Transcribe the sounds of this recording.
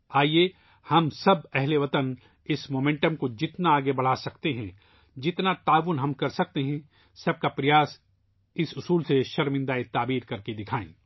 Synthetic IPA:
aːie | hɐmsɐbɛɦleʋɐt̪ən | ɪsmoːmẽːɳʈəmkod͡ʒɪt̪naaːɡebɐɽ̤aːsɐkt̪eɦɛ̃ | d͡ʒɪt̪nat̪aːʋʊnɦɐmkɐɾsɐk̚t̪eɦɛ̃ | sɐb̚kapɾɐjaːs | ɪsʊsuːlseʃɐɾmɪ̃nd̪aet̪aːbiːɾkɐɾked̪ɪkʰaːḛ̃ː

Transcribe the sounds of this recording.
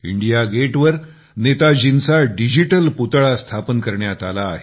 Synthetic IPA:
ḭɳɖijaɡeʈʋəɾ | net̪ad͡ʑinsaɖid͡ʑiʈəlput̪ɭast̪ʰapənkəɾɳjat̪alaːɦe

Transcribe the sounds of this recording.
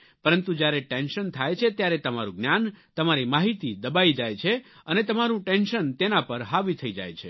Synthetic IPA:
pəɾənt̪ũd͡ʒjaɾeʈenʃənt̪ʰajt͡ʃʰet̪jaɾet̪əmaɾũɡnjant̪əmaɾimaɦit̪id̪əbaid͡ʒajt͡ʃʰe | ənet̪əmaɾũʈenʃənt̪enapəɾɦaʋit̪ʰəid͡ʒa̰jt͡ʃʰḛ

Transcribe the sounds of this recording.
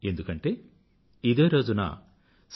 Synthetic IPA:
e̞nd̪ukɐɳʈe̞ː | id̪eːɾo̞ːd͡ʒunɐ̰ | s

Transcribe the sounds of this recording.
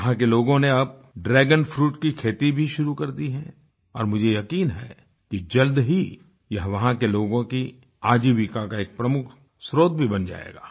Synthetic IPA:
ɦãkeloːɡõneɐb̚ | ɖɾɛːɡənfʰɾuːʈkikʰeːt̪ibʱiʃʊɾukɐɾd̪iɦɛ̃ː | ɔ̰ːɾmʊd͡ʒʱejɐkiːnɦɛ | kid͡ʒɐld̪ɦi | jɐɦʋɐɦãkeloːɡõki | aːd͡ʒiʋikakaeːk̚pɾɐmʊkʰ | sɾoːd̪̚bʱibɐnd͡ʒa̰ːḛːɡa̰ː

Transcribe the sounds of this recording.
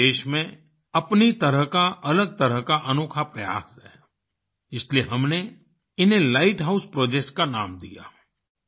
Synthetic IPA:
eːʃmẽ | ɐpnit̪əɾəɦkaʔɐləɡ̚t̪əɾəɦkaʔɐnoːkʰapɾɐja̰ːsɦɛː | ɪslieɦɐmne | ɪnɦẽlaːɪʈɦaʊspɾoːd͡ʒek̚skanaːmd̪ija̰ː

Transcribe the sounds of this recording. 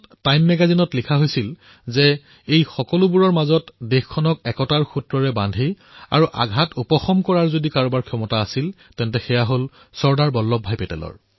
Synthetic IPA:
tajmːɛɡazinɔtlikʰaɦojsil | zɛ | ejxɔkɔlubuɹɔɹmazɔtdexkʰːɔnɔkɛkɔtaɹxutɹɔɹɛbandʱi | a̰ɹuʔa̰ɡʱatupɔxɔmkɔɹaɹzodikaɹɔbaɹkʰɔmɔtaːsil | tɛntɛxɛjaɦol | sɔɹdaɹbɔlːɔbʱːajpɛtɛ̰lɔ̰ɹ

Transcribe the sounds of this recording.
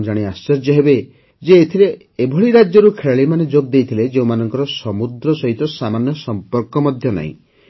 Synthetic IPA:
d͡ʒaɽ̃iast͡ʃɔɾd͡ʒɔɦebe | d͡ʒeːt̪ʰileː | bʱɔɭiɾad͡ʒjɔɾukʰeɭaɭimaned͡ʒoɡ̚d̪ejt̪ʰiled͡ʒeũmanɔŋkɔɾɔsɔmud̪ɾɔsɔɦit̪ɔsamanjɔsɔmpɔɾkɔmɔd̪ʱjɔna̰ḭ̃

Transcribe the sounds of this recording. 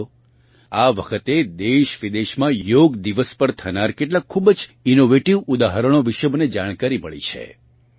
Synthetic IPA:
aʋəkʰət̪ed̪eʃʋid̪eʃmãjoɡd̪iʋəspəɾt̪ʰənaɾkeʈlakʰːubd͡ʒinoʋeʈiʋud̪aɦəɾəɽ̃oʋiʃəbned͡ʒaɽ̃kaɾiməɭḭt͡ʃʰḛ

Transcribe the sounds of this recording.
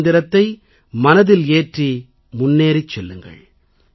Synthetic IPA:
nd̪ɪɾɐt̪ːɐɪ | mɐnɐðɪleːʈri | mʊnːeːɾɪt͡ʃːɛlːɯŋɡɐ̰ɭ

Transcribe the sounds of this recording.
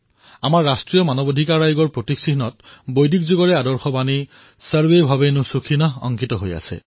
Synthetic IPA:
amaɹːastɹijɔmanɔbodʱikaɹajɡɔɹpɹotiksiɦnɔt̚bojdʱikzuɡɔɹɛadɔɹxɔbani | saɹbejbʱabenʊsukʰinɔɔ̰ŋkitɔɦoja̰sɛ̰

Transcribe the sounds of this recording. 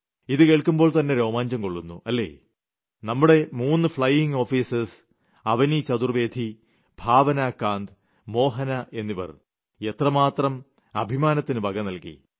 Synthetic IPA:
iðɨke̞ːɭkumboːɭt̪ɐnːe̞ɾo̞ːmaːɲd͡ʑɐmko̞ɭːunːṵʔɐlːe̞̰ː | nɐmːuɽe̞muːnːɨfɭɐjiŋɡo̞ːfiːsɐs | ɐʋɐnit͡ɕɐd̪urʋe̞ːd̪ʱi | b̥ʱaːʋɐnaːkːaːnd̪ | mo̞ːɦɐnɐʔe̞nːiʋɐ̰r | e̞t̪rɐmaːt̪rɐm | ɐbʱimaːnɐt̪ːinɨbʱɐɡɐmnɐlkḭ

